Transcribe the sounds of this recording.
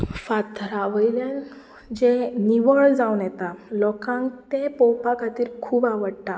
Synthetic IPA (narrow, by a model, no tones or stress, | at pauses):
fat̪ɾaʋəjljãn | d͡ʑeniʋəɭd͡zawnjɛt̪alɔkãŋkt̪ẽpɔwpakʰat̪iːɾkʰuːbaʋəɽʈ̪a